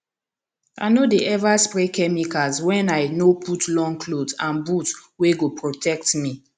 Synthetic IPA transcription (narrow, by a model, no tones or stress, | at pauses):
a̰ɪnodeʔɛvaspɹekɛmikazwɛ̃naɪnopʰutlɔ̃ŋkʰlodsãnbutweɡopɹotʰɛktmi